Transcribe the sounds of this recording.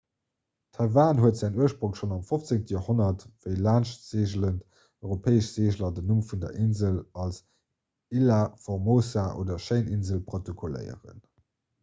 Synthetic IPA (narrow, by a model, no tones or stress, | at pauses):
tʰɑvaːnɦuətzæːnuəʃpʁoŋʃonɑmfoft͡seŋtəjoːhonɐtv̥əɪlaːnʃtz̥eːʑələnt | œɪʁopʰɛːəʃz̥eːʑlɐdənumfundɐ̰ʔinzəlɑls | ilafoʁmoːsaʔo̰ːdɐʃəɪnʔinzəlpʁotokʰolə̰ɪə̰ʁə̰n